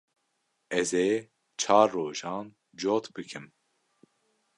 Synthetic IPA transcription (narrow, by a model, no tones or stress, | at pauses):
ɛzeː | t͡ʃʰɑːɾːoːʒɑːn | d͡ʒoːt̪bɨkʰɨm